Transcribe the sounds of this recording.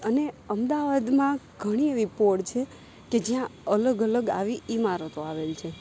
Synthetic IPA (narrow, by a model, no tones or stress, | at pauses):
əneəmd̪aʋad̪mã | ɡʱəɽ̃ieʋipoɖt͡ʃʰe | ked͡ʒijãələɡələɡa̰ʋiimaɾot̪oaʋelt͡ʃʰe